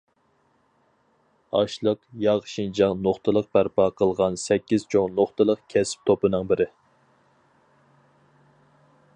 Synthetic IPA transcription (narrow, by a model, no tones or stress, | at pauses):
ɑʃlˠəqjɑʁʃind͡ʒɑŋnoχt̪ʰɨlˠəq̚bæɾpɑqʰəlˠʁɑnsɛkʲːiz̥t͡ʃʰoŋnoχt̪ɨlˠəqkʲʰɛsɪ̥p̚t̪ʰopɨnɨŋbɪɾɪ